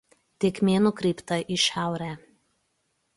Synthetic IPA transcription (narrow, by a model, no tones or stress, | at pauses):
t̪ʲɪkmʲeːnʊkɾʲɛɪpt̪ɐʔɪʃʲæˑʊɾʲæː